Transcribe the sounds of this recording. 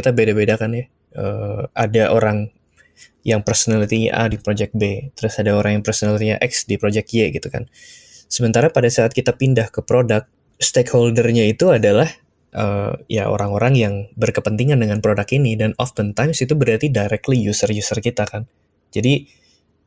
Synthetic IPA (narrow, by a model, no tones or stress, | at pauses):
it̪abedabedakanja | ʔəadaʔoɾaŋ | jaŋpərsonalit̪iɲa̰ʔa̰dipɾod͡ʒɛk̚bet̪əɾʊsadaoɾaŋjaŋpərsonalit̪iɲa̰ʔɛksdipɾod͡ʒɛk̪̚jeɡit̪uka̰n | səmənt̪aɾapadasaːt̪̚kit̪apindahkəpɾodak̚ | st̪ekholdərɲait̪uadalah | ʔəja̰ʔo̰ɾaŋoɾaŋjaŋbərkəpənt̪iŋandəŋanpɾodakinidanɔfənt̪ajmsit̪ubəɾart̪idajɾɛk̚t̪lijusərjusərkit̪akan | d͡ʒadi